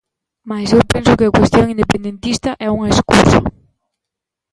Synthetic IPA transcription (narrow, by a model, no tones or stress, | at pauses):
masewpɛnsʊkɪakwest̪joŋĩnd̪epend̪ẽnt̪ist̪ɐʔɛuŋɐeskusa̰